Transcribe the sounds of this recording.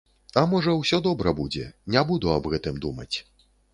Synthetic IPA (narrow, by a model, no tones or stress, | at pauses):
ɐmɔʐɐwsʲɔd̪ɔbɾɐbud͡zʲɛ̰nʲabud̪uɐbɣɛt̪ɨmd̪umɐ̰t͡sʲ